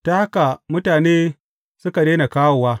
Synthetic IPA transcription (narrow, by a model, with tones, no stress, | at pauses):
ta˦ha˦ka˨mʊ˦taː˨neː˦ | sʊ˦ka˨ɗeː˦na˨kaː˦woː˨waː˦